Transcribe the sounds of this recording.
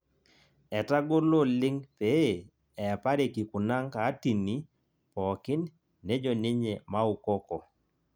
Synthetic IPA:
ɛ˨ta˦ɡo˦lo˦lɪ˦ŋpe˨˦˨ | ɛ˨pa˦ɾe˨ki˨ku˨na˦ŋka˨˦ti˨ni˨ | pɔ˨kɪ˦nː | e˦d͡ʒɔ˨nɪ˦ɲe˨ma˦u˨kɔ˦kɔ˨

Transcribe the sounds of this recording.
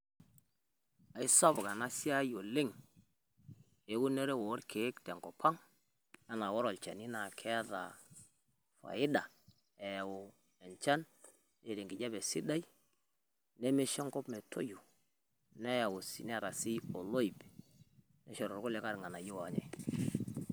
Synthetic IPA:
a˨i˦sa˦bɡa˨na˦si˦a˦jo˨le˦ŋ | e˨˦ɡu˦ne˦ɾe˦wo˨˦ɾkʰe˨˦ktɛ˨ŋkɔ˨pʰa˦ŋ | a˦na˨wɔ˦ɾɔ˨lt͡ʃa̰˨ni˦na˨kʰɛ˦ða̰˨ | fa̰˨ɪ˦da˨ | ɛ˨wo˨ | ɛ˨nt͡ʃa˦n | e˨ɾe˨ŋɡi˨d͡ʒa˦bɛ˨si˦da˦i˦ | ne˦me˦ʃɔ˦ŋkɔ˦bme˨tʰo̰˦ju˨ | nɛ˦a˨wo˨sḭ˨n˦˨ɾa˨si˦o˨lo˦i˨b | nɛ̰˦ʃɔ˨ɾɔ˨ɾko˦le˨˦ka˦ɾŋa˨na˨jo˦wa˨˦ɲɛ̰˨

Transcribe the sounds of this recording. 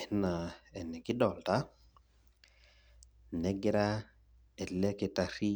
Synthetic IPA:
na˨e˨ne˨ɡi˦do˨lta˦ | ne˦ɡi˦ɾa˦ | e˨le˦ke˨ta˨ɾi˦

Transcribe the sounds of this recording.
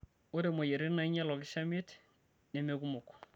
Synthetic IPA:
o˦ɾe˨ma˨je˨ɾe˦na˨i˦ɲɛ˦lɔ˨kɪ˦ʃa˦mɪ˦t | ne˨meku˦mʊ˨k

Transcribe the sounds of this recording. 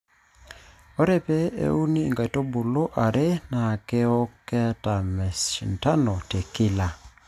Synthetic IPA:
ɔ˦ɾɛ˦pɛ˦ḛ˦u˦niː˦˨ŋɡa˨i˨to˦bu˨lo˦ʔa˨ɾʔe˦na˨ke˦ɔ˦kɛ˦ta˨mɛ˨si˨n˨ta˦nɔ˨te˨kɪ˦la˨

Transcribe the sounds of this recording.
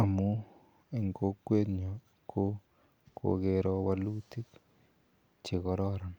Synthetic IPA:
a˨mu˦ | e˨ŋko˦kːwe˦t̪ɲɔ˨ | kʰo˦ | ko̰˨ɡe˨ɾɔ˧wa˦lu˦t̪i˦k | t͡ʃe˨kɔ˨˦ɾɔ˦ɾɔ˨n

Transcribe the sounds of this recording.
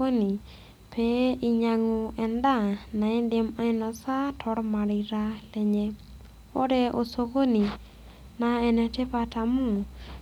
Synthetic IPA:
o˦ni˨ | pʰe˨i˧ɲa˨ŋo˨ɛ˨nda˦na˨ɪ˦ndɪ˦ma˦ɪ˦na˨sa˦tʰɔ˦ɾma˨ɾi˨ɾa˦lɛ˨ɲɛ˦ | o̰˦ɾɛ˦ʔo˨so˧ko˦ni˨ | naɛ˨nɛ˧te˦pa˧ta˨mo˦˨

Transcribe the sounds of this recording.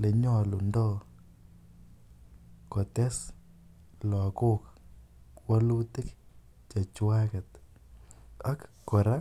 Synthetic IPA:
le˨ɲɔ˦lu˨ndɔ˦ | kɔ˨tɛ˦s | lɔ˨ko˦k | wa˦lu˦tɪ˦k | t͡ʃa˨t͡ʃwa˦ka˨t̪ | a˦kːɔ˨ɾa˦

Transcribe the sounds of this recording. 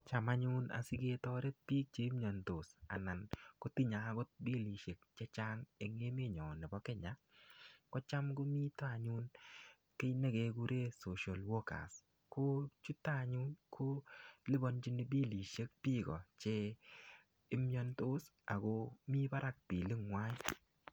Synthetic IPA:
t͡ʃa˨ma˦ɲu˦na̰˨si˦ɡe˦tɔ˦ɾe˦t̪̚pi˦k̚t͡ʃe˦mɲɔ˨ntʊ˨sa̰˨na˨nko˦ti˦ɲa˨˦ɡɔ˦t̪̚bi˦li˨ʃe˨k̚t͡ʃe˦t͡ʃa˦ŋe˨ŋe˦me˦ɲɔ˨nɛ˨bɔ˦kɛ˦ɲa˨ | kɔ˦t͡ʃa˦mɡo˦mi˦ta˨ɲu˦n | ke˦jne˦ɡe˨ɡu˦ɾe˦so˨ʃa˨lwɔ˦ka̰˨s | ko˦t͡ʃu˦ta˦˨ɲu˦nkʰo˦lɪ˦bɔ˦nd͡ʒi˦ni˨bi˦li˨ʃe˦k̚piː˦ɡɔ˨t͡ʃe˦ | ɪ˦mɲɔ˧nto˦s | a̰˨ɡo˧mi˦ba˦ɾʔa˦k̚pi˨li˦ŋwa˦

